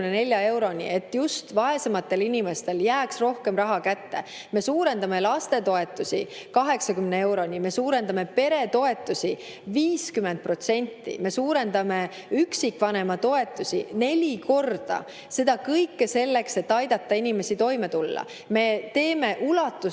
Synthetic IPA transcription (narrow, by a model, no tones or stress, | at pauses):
nene̞lʲjɑe̞wɾo̞nʲḭe̞t̪ːjust̪vɑe̞semɑt̪ːe̞linʲime̞st̪e̞ljæːksro̞hkemrɑɦɑkæt̪ːe̞̰ | me̞suːɾe̞nd̪̥ɑme̞lɑst̪e̞t̪o̞e̞t̪ːˑusḭkɑɦe̞ksɑkymnee̞wɾo̞nʲime̞suːɾe̞nd̪̥ɑme̞pe̞ɾe̞t̪o̞e̞t̪ːˑusʲi | viːskymend̪̚pro̞t̪se̞nʲt̪ːḭme̞suːɾe̞nd̪ɑme̞ | yksikːˑvɑne̞mɑt̪o̞e̞t̪ːˑusḭne̞lʲiko̞rd̪̥ɑ̰ | se̞d̪̥ɑkɤjkːese̞lːe̞kse̞t̪ːɑjd̪̥ɑt̪ːɑinʲime̞sit̪o̞jme̞t̪ulːɑ̰ | me̞t̪e̞ːme̞ʔulɑt̪ːˑu